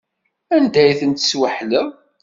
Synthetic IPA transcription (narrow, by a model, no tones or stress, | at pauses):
ænd̪æjθənt̪ə̥swəħlə